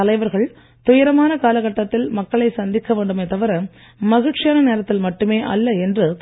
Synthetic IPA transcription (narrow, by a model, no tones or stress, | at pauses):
ɐlɐɪʋɐɾɣɐɭ | t̪ʊjɐɾɐmaːnɐkaːlɐɣɐʈːɐt̪ːɪlmɐkːɐɭɐɪsɐnd̪ɪkːɐʋeːɳɖɯmɐɪt̪ɐʋɐɾɐm | mɐɣɯʈt͡ʃɪjaːnɐneːɾɐt̪ːɪlmɐʈːɯmeːʔɐlːɐɛndrɯ